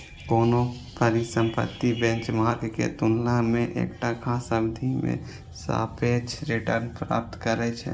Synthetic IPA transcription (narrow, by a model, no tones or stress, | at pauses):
koːno | pəɾisə̃mpə̰t̪ːibɛ̃nt͡ʃmaːɾɡkḛt̪ʊnlamẽʔḛːkʈakʰasəbd̪ʱimḛ̃ | sa̰ːpʰet͡ʃʰɾɪʈəɾnpɾa̰ːp̚t̪kəɾɛt͡ʃʰɛ̰